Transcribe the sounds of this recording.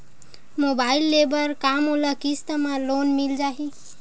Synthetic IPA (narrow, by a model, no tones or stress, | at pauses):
mobailːebəɾkamoləkist̪əmãlonmild͡ʒaɦi